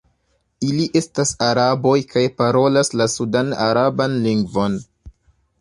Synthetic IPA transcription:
iliʔe̞stasaɾabo̞jkajpaɾo̞laslasudana̰ɾabanliŋɡvo̞n

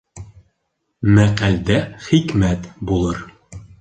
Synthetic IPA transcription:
mæqæld̪æχikmæt̪bulˠɤɾ

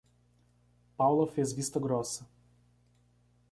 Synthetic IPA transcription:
pawlˠɔfɛzvist̪ɐɡɾɔsə

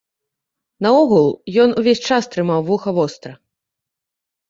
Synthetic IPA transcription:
nɐɔɣulˠjɔnuvʲesʲt͡ʂast̪ɾɨmawvuxɐvɔst̪ɾɐ

